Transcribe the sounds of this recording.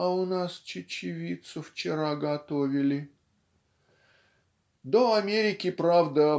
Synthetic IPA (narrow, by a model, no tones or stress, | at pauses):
ɐʊnast͡ɕɪt͡ɕɪvʲit̪sʊft͡ɕɪɾaɡɐt̪ovʲɪlʲɪ | d̪oɐmʲeɾʲɪkʲɪpɾavd̪ə